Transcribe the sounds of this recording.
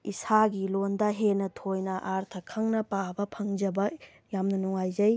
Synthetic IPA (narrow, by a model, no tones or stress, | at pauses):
isaɡilondɐɦenɐtʰojnɐʔaɾt̪ʰɐkʰɐŋnɐpabɐpʰɐŋd͡ʒɐbɐ | jamnɐnuŋajzɐj